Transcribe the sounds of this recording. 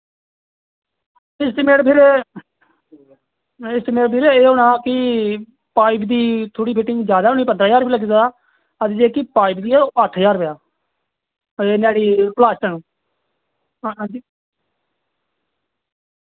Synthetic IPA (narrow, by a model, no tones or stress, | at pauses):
ɪsʈɪmeːʈpʰɪɾe | ɪsʈɪmeːʈ̚bpʰɪɾeeːɦoːɽaːkɪ | paːibd̪iːt̪ʰoːɽiːpʰɪʈːɪŋɡd͡ʒjaːd̪aːʊñiːpənd̪ɾaːjaːɾbiːləɡiːzaːd̪aː | əd̪d͡ʒeːkɪpaːɪbd̪iːɛət̪ʰjaːɾbejaː | eːnjaːɽiːplaːsʈəːnũː | ɦãːd͡ʒiː